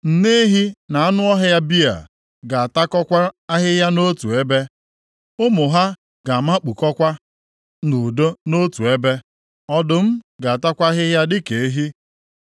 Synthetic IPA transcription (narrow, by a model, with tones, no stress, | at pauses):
n̩˨ne˦e˦ɦi˦na˨a˦nʊ˦ɔ˦ɦa˦ja˦bi˦a̰˨ | ɡa˨a˨ta˦kɔ˦kʷa˦a˦ɦɪ˦ɦja˦no˦tu˨e˦be˦ | ʊ˦mʊ˨ɦa˦ | ɡa˨a˨ma˦k͡pu˨kɔ˦kʷa˦ | nu˨do˦no˦tu˨e˦be˦ | ɔ˦dʊ˦m̩˦ɡa˨a˨ta˦kʷa˦ɦɪ˦ja˦dɪ˦ke˨e˦ɦi˦